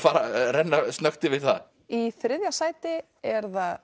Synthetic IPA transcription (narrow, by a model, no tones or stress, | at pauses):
faːɾaɾɛnːast̪nœxt̪ɪvɪðθa̰ | iθɾɪðjasaːjt̪ɪ | ɛɾθað